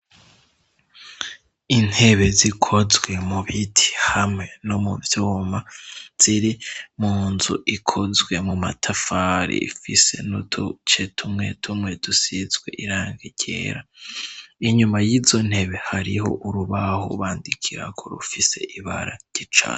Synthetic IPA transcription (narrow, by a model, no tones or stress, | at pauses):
in̥he̞βe̞zikʰo̞zwe̞muβitʰi̥hamŋe̞no̞muvjoːmaz̥iɾimuːnzuʔikʰo̞zɡwe̞mumatʰafaɾḭifise̞̰nutʰut͡ʃetʰumŋe̞̰tʰumŋe̞dusizɡwe̞̰ʔiɾaːŋɡeɟe̞̰ːɾa | iɲumajiːzo̞n̥he̞βe̞haɾiho̞̰ʔuɾuβaho̰βaːndikʰiɾa̰kʰoɾṵfise̞ʔiβa̰ɾaɟ̥it͡ʃa̰